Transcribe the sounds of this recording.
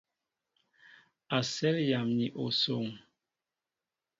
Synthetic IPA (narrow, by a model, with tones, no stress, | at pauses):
a˨sɛ˦lja˨mɲi˨ʔo˨so˨ŋ